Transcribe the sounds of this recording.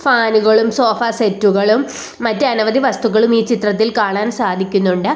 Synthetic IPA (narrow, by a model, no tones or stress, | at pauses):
faːnuɣɐɭumso̞ːfaːsetːuɣɐɭumː | ɐtːeɐnɐʋɐd̪iʋɐst̪uɣɐɭumiːt͡ɕit̪rɐt̪̬ːilkaːɳaːnsaːd̪ʱikʲːunːuɳɖɨ